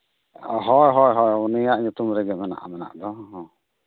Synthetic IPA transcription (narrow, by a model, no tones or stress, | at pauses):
ɦɔjɦɔjɦɔjɔnijaʔɲut̪umɾɛɡɛmɛna̰ʔa̰mɛna̰ʔd̪ɔɦɔ̃